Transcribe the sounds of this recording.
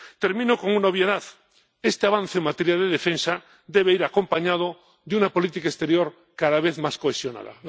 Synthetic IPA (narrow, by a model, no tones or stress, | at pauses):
t̪e̞ɾmĩnoko̞ŋunaoβjeðað | est̪eaβan̟θeeŋmat̪eɾjalðeðefẽnsa | d̪e̞βeiɾako̞mpaɲað̞o | ðeunapo̞lit̪ikaest̪e̞ɾjoɾ | kaðaβeθmaskoesjo̞na̰ða̰